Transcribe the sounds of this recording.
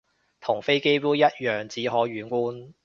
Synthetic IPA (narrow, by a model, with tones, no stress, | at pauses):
t̪ʰʊ˨˩ŋfe˥jke˥jpuː˥jɐ˥t̚jœː˨˩ŋt͡siː˨˥ɦɔː˨˥ɥyː˨˧nkʷuː˥n